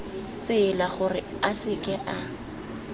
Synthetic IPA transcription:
t͡sɪːlaχʊrɪ | asɪkʼɛʔa

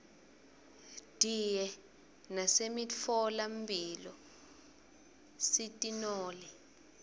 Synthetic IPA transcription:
d̥ʱijɛ | nasemiɔlambilɔ | sitʼinɔːlɛ

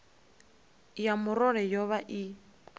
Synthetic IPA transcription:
jamʊɾɔɺɛjɔβaʔi

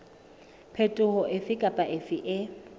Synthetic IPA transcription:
pʰetʼʊhʊʔɪfɪkʼapʼaʔɪfɪʔɪ

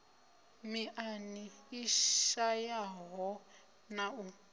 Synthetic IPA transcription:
miʔaniiajaɦɔ | nau

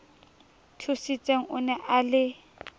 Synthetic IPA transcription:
tʰusit͡sʼeŋ̩ʊnɛʔalɪ

